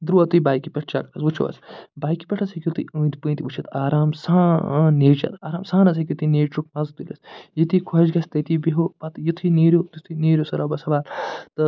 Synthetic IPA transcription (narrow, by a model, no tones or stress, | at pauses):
d̪ɾuɐt̪ujbaːjkipʲɐʈʰt͡ʃa̰ːkɐɾɐsut͡ʃʰo̰ɐ̰sbaːjkipʲɐʈʰɐsɐkʲjut̪iunt̪ipɨ̃nt̪iʋut͡ʃʰɐt̪aːɾaːmsãːneːt͡ʃɐ̰t̪aːɾaːmsãːnɐsɐkʲut̪ineːʈɾukmɐzt̪ilɐsjit̪ikʰɐd͡ʒɡɐst̪ɐt̪ibiɦopɐt̪jit̪ʰineːɾʲot̪it̪ʰineːɾjosɐɾɐbɐsɐʋaːlt̪ɨ